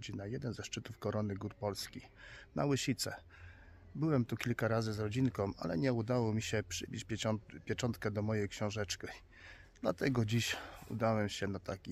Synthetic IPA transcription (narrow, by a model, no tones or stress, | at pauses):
d͡ʑinajɛd̪ɛnzɛʂt͡ʂɘt̪ufkɔɾɔnɘɡuɾpɔlskʲina̰wɘɕit̪sɛ̰ | bɘwɛmt̪ukʲilkaɾazɘzɾɔd͡ʑinkɔ̃w̃a̰lɛ̰ɲɛud̪awɔmʲiɕɛpʂɘbʲit͡ɕpʲpʲjɛt͡ʂɔnt̪kɛd̪ɔmɔjɛjkɕɔ̃w̃ʐɛt͡ʂki | d̪lat̪ɛɡɔd͡ʑiɕṵd̪awɛmɕɛnat̪akʲi